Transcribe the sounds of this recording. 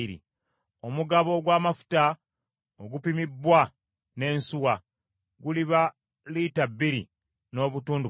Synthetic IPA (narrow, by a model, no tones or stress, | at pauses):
ɾḭ | o̞muɡaβo̞ɡwaːmafu̥ta | oɡupimibːwa | ne̞ːnsuwa | ɡuliβa | litabːiɾḭ | no̞ːβutuːndu